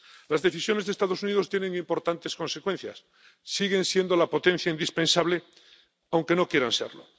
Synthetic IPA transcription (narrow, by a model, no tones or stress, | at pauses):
lazðe̞θisjo̞ne̞zðest̪aðo̞suniðo̞st̪jeneŋimpo̞ɾt̪ant̪e̞sko̞nsekwe̞n̟θja̰sː | iɣe̞nsje̞nd̪o̞lapo̞t̪ẽ̞n̟θjaind̪ispensaβle̞ | awŋke̞no̞kje̞ɾansḛɾlo̞̰